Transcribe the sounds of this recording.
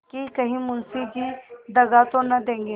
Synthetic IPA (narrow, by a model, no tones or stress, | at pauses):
kikɐɦĩmʊnsid͡ʒid̪ɐɡat̪õnɐd̪ẽːŋɡeː